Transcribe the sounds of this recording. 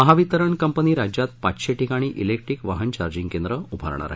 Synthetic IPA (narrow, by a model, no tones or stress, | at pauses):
məɦaʋit̪əɾəɳkəmpəniːɾad͡ʑjat̪̚pat͡sɕeʈikaɽ̃iːʔḭlek̚ʈɾiːkʋaɦənt͡ɕaɾd͡ʑiŋɡkend̪ɾəubʱa̰ɾɳ̃a̰ɾa̰ɦe